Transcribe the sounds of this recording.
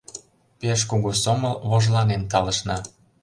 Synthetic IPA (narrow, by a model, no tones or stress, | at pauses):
peʃ̬kuɣusomɤlβoʒlɑnent̪ɑlə̆ʃnɑ